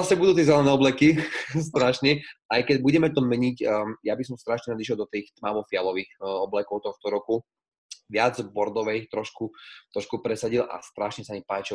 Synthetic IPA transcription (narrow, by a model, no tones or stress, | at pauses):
asɛbud̪uːt̪̬iɛzɛlɛnɛːɔblɛkis̬t̪ɾaʃɲɛʔajkɛɟ̚buɟɛmɛt̪ɔmɛɲicːjabisɔmst̪ɾaʃɲɛnad̪iʃ̬ɛlˠd̪ɔt̪iːxt̪mamɔfɪalɔʋiːxɔblɛkɔʊt̪ɔxt̪ɔɾɔku | ʋɪad͡zbɔɾd̪ɔʋɛjt̪ɾɔʃkut̪ɾɔʃkupɾɛsaɟilʔa̰st̪ɾaʃɲɛsamipaːt͡ʃi